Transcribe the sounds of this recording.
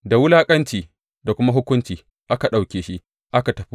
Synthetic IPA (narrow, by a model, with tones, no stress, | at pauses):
da˨wʊ˦laː˦kʼɐ˦nt͡ʃiː˨ | da˨kʷʊ˦ma˦ɦʊ˦kʷʊ˦nt͡ʃiː˨ | ʔa˦ka˨ɗa˨wkʲeː˨ʃi˦ʔ | ʔa˦ka˨tɐ˨ɸi˦